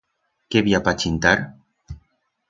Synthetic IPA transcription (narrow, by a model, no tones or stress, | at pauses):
keβiapat͡ʃint̪aɾ